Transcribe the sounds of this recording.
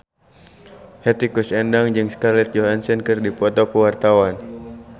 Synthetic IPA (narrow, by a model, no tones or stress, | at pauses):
hɛt̪ikusɛndaŋd͡ʒɨŋskarlɛt̪̚d͡ʒɔɦansɛnkɨrdipɔt̪ɔkəwart̪awan